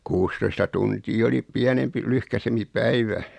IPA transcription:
kuːstoistɑ tuntiː oli piænempi lyhkæsempi pæiʋæ

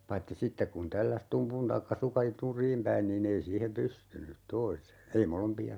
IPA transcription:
pɑitːi sitːek kun tælːæs tumpun tɑikːɑ sukɑ nurˑiːm pæin niːnː ei siːhem pystynyt toise ei molompiɑ

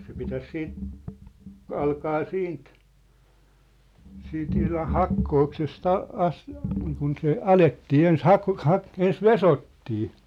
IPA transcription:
se pitæs siːt ɑlkɑː siːnt siːnt ihlɑh̆ hɑkːoːksest ɑ ɑs niːkun se ɑletːiː ens hɑk hɑk ens ʋesotːiː

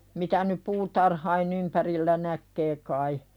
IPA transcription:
mitæ nyp puːtɑrhɑin ympærilːæ nækːeː kɑi

